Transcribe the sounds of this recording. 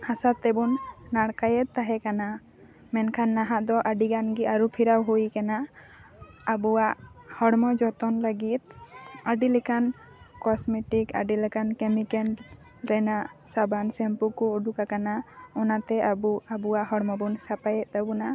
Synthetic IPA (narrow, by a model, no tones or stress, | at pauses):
hasat̪ːɛbunːaɽkajɛt̪̚ˀt̪aɦɛkana | mɛnkʰanːaɦaʔd̪ɔʔaɖiɡanɡiʔaɾupʰiɾawɦujkana | abuwaʔhɔɽmɔd͡ʒɔt̪ɔnləɡit̪̚aɖilɛkan | kɔsmɛʈika̰ɖilɛkankɛmikɛn | ɾɛnaʔsabansɛmpukuːɖukakanaɔnat̪ɛabuabuwaʔhɔɽmɔbunsapajɛt̪̚ˀt̪abuna